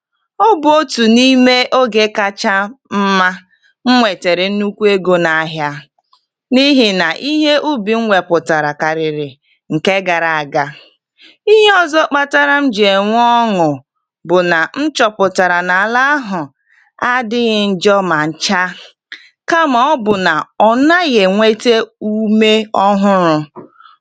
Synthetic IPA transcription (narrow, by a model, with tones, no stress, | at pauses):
o˦bʊ˨o˦tu˨ni˦me˦ʔo˦ɡe˦ka˦t͡ʃa˦m̩˦ma˦ | ŋ̩˦ŋʷe˨te˨ɾe˨n̩˦nu˦kʷu˦e˦ɡo˦na˨˦ɦja˦ | ni˦ɦi˨na˨ʔi˦ɦe˦ʔu˦bi˨ŋ̩˦ŋʷe˨pʊ˨ta˨ɾa˨ka˨ɾɪ˨ɾɪ˨ | ŋ̩˨ke˦ɡa˨ɾa˨a˨ɡa˨ | i˦ɦe˦ɔ˦zɔ˦k͡pa˦ta˦ɾa˦m̩˦d͡ʒe˨ŋʷ˦ɔ˦ŋʊ˨ | bʊ˨na˨n̩˦t͡ʃɔ˨pʊ˨ta˨ɾa˨na˨la˦a˦ɦʊ˨ | a˦dɪ˦ɣɪ˦n̩˦d͡ʒɔ˦ma˨n̩˨t͡ʃa˦ | ka˦ma˨ɔ˦bʊ˨na˨ɔ˨na˦ɣe˨ŋʷe˦te˦u˦me˦ɔ˦ɦʊ˦ɾʊ˦